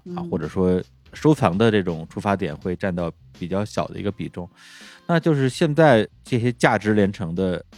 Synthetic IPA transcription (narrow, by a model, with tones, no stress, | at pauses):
a˧˩xwɔ˥˩ʈ͡ʂɤ˨˩ʂwɔ˥ | ʂo˥ʊt͡sʰɑ˧˥ŋd̪ə˧ʈ͡ʂɤ˥˩ʈ͡ʂʊ˨˩ŋʈ͡ʂʰu˥fa˧˥t̪jɛ̰˨˩nxwe˥˧ɪʈ͡ʂa˥˧nt̪ɑ˥˩ʊ | pi˨˩t͡ɕjɑ˥˩ʊɕjɑ˨˩ʊd̪ə̰˦ḭ˧˥ɡə˧pi˨˩ʈ͡ʂʊ˥˩ŋ | na˥˧t͡ɕjo˥˧ʊʂ̬ɻ̩˥˧ɕjɛ˥˧nt͡sa˥˧ɪʈ͡ʂɤ˥˩ɕjɛ˥t͡ɕja˥˩ʈ͡ʂɻ̩˧˥ljɛ˧˥nʈ͡ʂʰɤ˧˥ŋd̪ə˧